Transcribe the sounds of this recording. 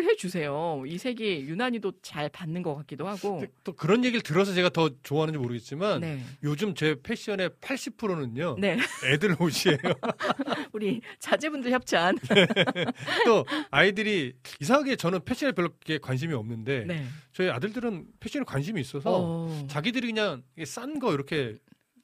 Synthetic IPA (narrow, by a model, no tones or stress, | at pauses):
ɭɦe̞d͡ʑusʰe̞joisʰe̞ɡejunaɲidot͡ɕaɭpanːɯnɡʌk͈ak͈idohaɡ̥oet͈okɯɾʌnje̞ɡiɾɭtɯɾʌs̬ʰʌt͡ɕe̞ɡatʌt͡ɕoaɦanɯnɲd͡ʑimoɾɯɡe̞t̚t͡ɕ͈imannejod͡ʑumt͡ɕe̞pʰe̞ɕ͈ʰiʌne̞pʰaɭɕ͈ipʰɯɾonɯɲone̞edɯɭoɕʰie̞jo | uɾit͡ɕad͡ʑebundɯɭçjʌp̚t͡ɕʰmanne | t͈oaidɯɾiisʰaŋɦaɡe̞t͡ɕʌnɯnpʰe̞ɕʰineɭpjʌɭːk̚k͈e̞kwanɕ̬ʰimiʌmnɯnde̞net͡ɕʌia̰dɯɭdɯɾɯnpʰeɕ͈ʰiʌneɭkwanɕʰimiːs͈ʌsʰʌt͡ɕaɡidɯɾikɯɲaŋikes͈anɡʌiɾʌkʰe̞